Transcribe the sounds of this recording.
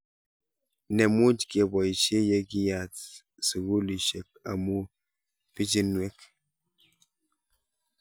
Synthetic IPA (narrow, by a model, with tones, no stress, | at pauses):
nɛ˨mu˦d͡ʒke˨bɔ˨i˨t͡ʃe˦jɛ˦ki˦ja˨t | si˨ɡu˦li˨ʃe˨k̚a̰˨mu˦ | pi˦d͡ʒi˦nwɛ˦k